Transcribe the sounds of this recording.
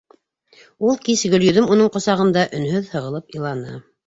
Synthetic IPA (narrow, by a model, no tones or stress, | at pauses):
ulˠkisɡɵ̆ljɵ̆ðɘmunɤɴqŏsɑʁɤ̆nd̪ɑʔɵ̆nhɵðhɤ̆ʁɤ̆lˠɤpɤlˠɑnɤ̰